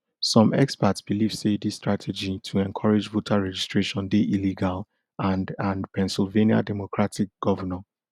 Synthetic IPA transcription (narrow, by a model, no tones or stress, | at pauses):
sɔ̃mʔɛkspatsb̥iliv̥sedistɹatʰɛd͡ʒitʰuɛ̃nkʰɔɹed͡ʒvotʰaɹɛd͡ʒistɹeʃɔ̃ndeʔiliɡal | ãndãnpʰɛ̃nsilˠvẽnia̰dɛmokʰɹatʰik̚ɡ̥ɔvənɛ̃n